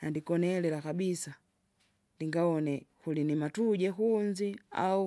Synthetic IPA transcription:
nandikɔnɛlɛlakabisa | ndiŋɡaɔnɛhulinimatuɟɛɦund͡ʒia̰u

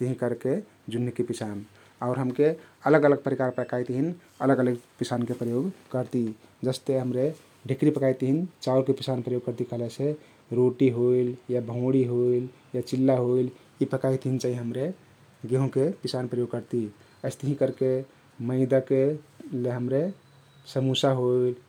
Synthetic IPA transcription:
t̪əɦĩkəɾke | d͡ʒunːikepisan | aʊɾɦəmkeələɡələɡ̚pəɾikaɾpəkajt̪ɦin | ələɡələɡpisankepɾəjoɡkəɾt̪i | d͡ʒəst̪eɦəmɾe | ɖʱikɾipəkajt̪ɦint͡ʃauɾkepisanpɾəjoɡ̚kəɾt̪ikəɦlese | ɾoʈiɦoiljabʱə̃ʊ̃ɽiɦoil | jat͡ʃilːaɦoil | ipəkajt̪ɦint͡ʃaɦiɦəmɾe | ɡeɦũkepisanpɾəjoɡ̚kəɾt̪i | əɪst̪ɦĩkəɾke | məɪd̪akeleɦəmɾe | səmusaɦoil

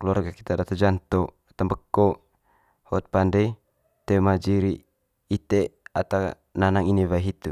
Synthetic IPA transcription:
kəluarɡaki̥t̪adat̪od͡ʒant̪ɔat̪ambəkːɔ | hɔt̪̚pandɛi | t̪emad͡ʒiɾiː | t̪eat̪a | nanaŋiniβaiɦit̪u

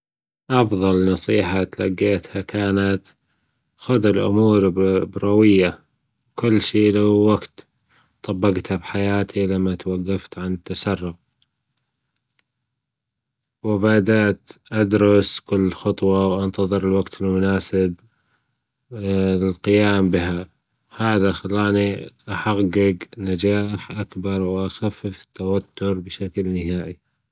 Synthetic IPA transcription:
ʔɑfðˤɑlnɑsˤiːħat̪laɡːeːt̪hakʰaːnat̪ | xʊd̪ɪlʔʊ̰muːɾbɾˤɑwɪjːa | kʊlːʃiːlawwaɡt̪ | t̪ˤɑbːɑɡt̪habħajaːt̪ʰilamːat̪waɡːaft̪ʕanɪt̪ːasɑrˤːʊq̚ | wɪbad̪aʔt̪ʔad̪ɾʊskʊlːxɑt̪ˤwɑwʔant̪ɑðˤɨɾɪlwaɡt̪ʰɪlmʊnaːsɪb | lqɪjaːmbɪɦa | haːðaxalːaːniʔaħaɡɪɡnad͡ʒaːħʔakbɑɾˤwʔaxafːɪfɪ̥t̪ːawat̪ːʊɾbɪʃaklnɪɦaːʔi

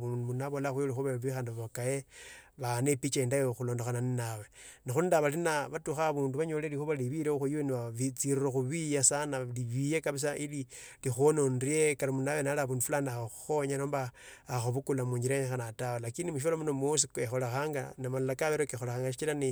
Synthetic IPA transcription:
uunaβolaxwjolixuβaβixaːndiβaβakajeβanepit͡ʃaindajoxuloːndoxananinawe | nixundaβalinaβatuxaβuːnduβaɲoleɾixuβaliβiɾexujiweniβaβit͡siɾiroxuβijasanaliβijekaβis̬aʔili | lixononriekaɾamunawenalaβundufulanaxoxu̥xoɲaɾoːmbaːxoβukulamuɲiɾeɲxanatawolakinimuʃ̬alamunomosikexolaxaːŋɡanamalalakaβeɾokexolaxaːŋɡaʃit͡ʃilani

